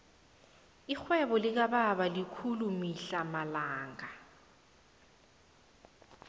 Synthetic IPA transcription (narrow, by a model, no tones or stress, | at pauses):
ik͡xʰwɛbɔlɪk̬ababalikʰulumiɬamalaːŋa